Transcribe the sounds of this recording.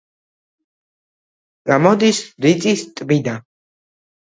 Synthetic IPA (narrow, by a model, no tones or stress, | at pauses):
ɡ̥amɔd̪isɾit̪sʼist̪ʼbid̪a